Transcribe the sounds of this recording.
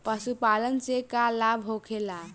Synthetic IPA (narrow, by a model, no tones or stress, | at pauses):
pəsupalənt͡ʃekalabʱɦokʰela